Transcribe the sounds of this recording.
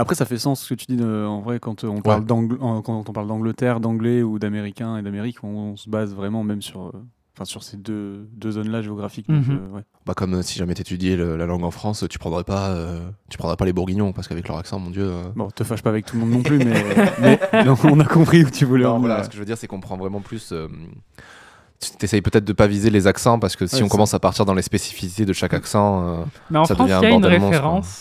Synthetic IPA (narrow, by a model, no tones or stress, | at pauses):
apχɛsafɛsɑ̃sːə̥kət̪yd̪iɑ̃vʁɛkɑ̃t̪øɔ̃paʁld̪ɑ̃ɡlɑ̃kɑ̃t̪ɔ̃paʁld̪ɑ̃ɡlət̪ɛʁd̪ɑ̃ɡlɛud̪ameʁikʲɛ̃ed̪ameʁikɔ̃səbazvʁɛmɑ̃mɛmsyʁø | ɑ̃fɛ̃syʁsed̪ød̪øzɔnlaʒeɔɡʁafikd̪ɔ̃køwɛ | bakɔmøsiʒamɛt̪et̪yd̪jeləlalɑ̃ɡɑ̃fχɑ̃st̪y̥pχɑ̃d̪ʁɛpaøt̪y̥pχɑ̃d̪ʁɛpalebuʁɡʲiɲjɔ̃paʁsəkavɛklœ̰ʁaksɑ̃mɔ̃d̪jøøbɔ̃t̪əfaʃpaːvɛk̚t̪ulmɔ̃d̪nɔ̃plymɛmɛ̃ɔ̃nakɔ̃pχiut̪ʰyvulɛ̃walasə̥kəʒəvəd̪iʁsɛkɔ̃pχɑ̃vʁɛmɑ̃plysøm | t̪t̪ɛsɛjpøt̪ɛt̪χd̪əpavizelezaksɑ̃paʁsə̥kəsiɔ̃kɔmɑ̃sapaʁt̪iʁd̪ɑ̃lespesi̥fisi̥t̪ed̪əʃakaksɑ̃ømɛɑ̃sadχɑ̃svjɛ̃jãnʁemɔ̃ʁɑ̃s